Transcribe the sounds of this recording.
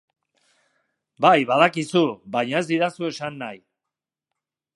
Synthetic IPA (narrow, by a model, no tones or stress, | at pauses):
bajβaðakisuβajɲae̞zd̪iɾasue̞sanːaj